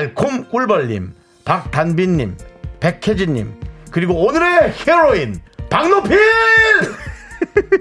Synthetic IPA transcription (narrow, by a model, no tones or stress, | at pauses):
ɭkʰumk͈uɭbʌʎːḭm | pak̚t̪anbiɲːimpe̞kʰed͡ʑiɲːḭmkɯɾiɡoonɯɾeheɾoinpaŋnopʰi